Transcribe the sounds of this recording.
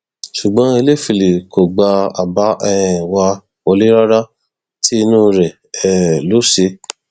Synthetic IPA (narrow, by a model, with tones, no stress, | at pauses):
ʃu˨ɡ͡bɔ̃˦i˧le˦˨fi˧˨le˨ko˨ɡ͡ba˧a̰˨ba˨˦ʔɛ˦˧ɛ̃˨wa˧ | o˧li˦ɾa˦ɾa˦ | tʰi˦i˧nũ˦˧ɾɛ˨ | ɛ˨lo˨˦se˧